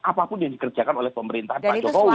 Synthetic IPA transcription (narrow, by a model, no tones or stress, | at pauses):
apapʊnjaŋdikərd͡ʒakanolɛhpəməɾint̪aɦanaɔkɔ